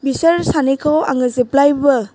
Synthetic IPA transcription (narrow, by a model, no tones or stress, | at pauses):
bisɐɾsanikʰawaŋɯziplajbɐ